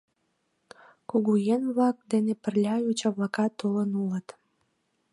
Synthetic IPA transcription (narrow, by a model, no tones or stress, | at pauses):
kuɣujenβlɑk̚d̪enepə̆rlʲɑjut͡ɕɑβlɑkɑt̪ːulənulət̪